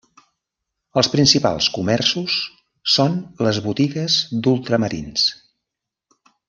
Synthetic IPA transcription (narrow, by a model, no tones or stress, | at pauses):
əlˠspɾinsipa̰lˠskumɛrsusː | onləzβut̪iɣəzd̪ulˠt̪ɾəməɾḭns